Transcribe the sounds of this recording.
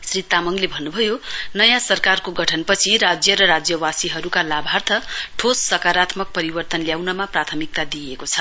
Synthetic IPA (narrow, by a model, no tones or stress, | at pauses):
srit̪amʌŋlebʱʌnːubʱʌjonʌjãsʌrkarkoɡʌʈʰʌnpʌt͡sʰiɾad͡zjʌɾʌɾad͡zjʌwasiɦʌɾukalabʱart̪ʰʌʈʰosːʌkaɾat̪mʌk̚pʌɾibʌrt̪ʌnljawnʌmaprat̪ʰʌmik̚t̪ad̪ijekot͡sʰʌ̥